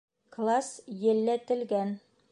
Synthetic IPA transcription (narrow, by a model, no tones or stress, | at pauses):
klˠasjɘ̆lːæt̪ɘ̆lɡæn